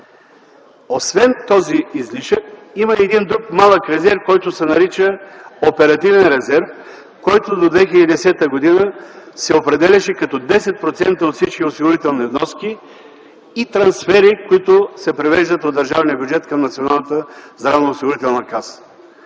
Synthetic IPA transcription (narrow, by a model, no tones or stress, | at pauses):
osvɛnt̪ɔziizliʃəkiməɛd̪ind̪ɾukmalˠəkɾɛzɛɾfkɔjt̪ʊsɛnɐɾit͡ʃəopɛɾɐt̪ivɛnɾɛzɛɾf | kɔjt̪ʊd̪od̪vɛxilɛid̪ɛsɛt̪əɡod̪inəsɛopɾɛd̪ɛlʲɐʃɛkɐt̪ɔd̪ɛsɛt̪̚pɾot̪sɛnt̪əot̪fsit͡ʃkʲiosiɡoɾit̪ɛlˠnivnɔskiː | t̪ɾɐnsfɛɾikoit̪ʊsɛpɾivɛʒd̪ət̪od̪ɐɾʒavnijəbʲjud͡ʒɛt̪kɐmnɐt̪sionalˠnət̪əzɾavnəosiɡʊɾit̪ɛlˠnəkas